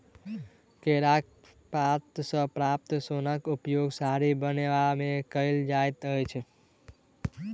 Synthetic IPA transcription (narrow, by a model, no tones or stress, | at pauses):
keɾak̚ | pap̚t̪sə̃pɾap̚t̪sonakupjoɡsaɾibəneʋamẽkəɪld͡ʒajt̪əjt͡ʃʰe